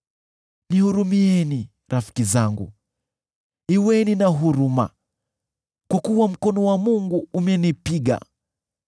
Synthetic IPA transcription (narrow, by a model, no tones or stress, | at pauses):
nihuɾumiɛni | ɾafi̥kizaŋɡṵ | iwɛninaɦuɾuma̰ | kwakuwam̩kɔnɔwamuŋɡuːmɛnipiɠa̰